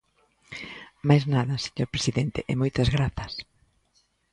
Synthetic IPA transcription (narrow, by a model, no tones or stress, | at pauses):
majznaðɐse̥ɲoɾpɾe̥siðɛnt̪eʔɪmojt̪ɐzɣɾaθɐs